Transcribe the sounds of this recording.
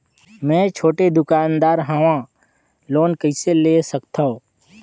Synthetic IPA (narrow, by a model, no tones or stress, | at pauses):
mɛ̃ːt͡ʃʰoːʈed̪ʊkaːnd̪aːɾɦaʋã | loːnkəɪselesəkt̪ʰaɦoː